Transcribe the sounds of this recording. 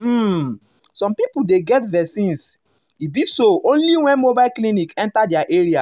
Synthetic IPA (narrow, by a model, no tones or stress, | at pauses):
m̩ | sɔ̃mpipudeɡɛtvɛsĩns | ibisoʔõnliwɛ̃nmobaɪlklĩnikɛ̃ntadɛaʔeɹia